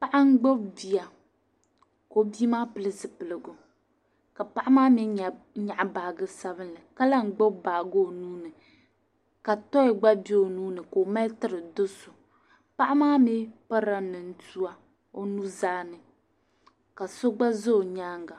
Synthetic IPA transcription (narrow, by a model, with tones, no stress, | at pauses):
pa˦ʔa˦ŋ̩˦ɡ͡bo˦bbi˨a˨ | ko˦bi˦maː˦pɨ˨lɨ˦sɨ˨pɨ˨lɨ˨ɡʊ˨ | ka˨pa˦ʔa˦maː˦mi˦˨ | ɲa˨ʔa˨baː˨ɡɨ˦sa˦βɨ˦nlɨ˨ka˦la˦ŋ͡m̩˨ɡ͡bo˦baː˨ɡo˦˨nuː˦nɨ˨ | ka˨tɔ˦ɪ˨ɡ͡ba˦bi˦o˨nuː˦nɨ˨ko˨ma˦ltɨ˦ɾɨ˨dʊ˦sʊ˨ | pa˦ʔa˦maː˦mɪ˦pa˦ɾa˦nɨ˨n̩˦tu˦a˦ | o˦nu˦zaː˦nɨ˨ | ka˨so˦ɡ͡ba˦zo˦˨ɲaː˦ŋɡa˨